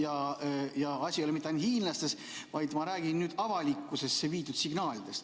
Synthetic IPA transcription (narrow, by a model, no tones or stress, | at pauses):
jɑjɑɑsʲiolɛmit̪ːeɑjnhiːnlɑst̪e̞s | vɑjd̪̥mɑɾæːɡ̥inːyːd̪̥ɑvɑlʲikːˑuse̞sːeviːt̪ːˑud̪siɡ̥nɑːlʲid̪e̞st̪